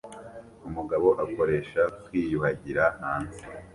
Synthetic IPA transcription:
umuɡaβo̞ʔako̞ɾe̞ʃakwiːjuhaɟiɾahaːn̥u

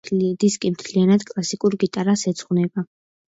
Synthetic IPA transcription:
d̪iskʼimt̪ʰlianad̪kʼlˠasikʼuɾɡit̪ʼaɾasɛt̪sʰʼχwnɛba

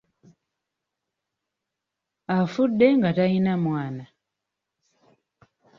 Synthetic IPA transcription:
afudɛŋɡatainamwana

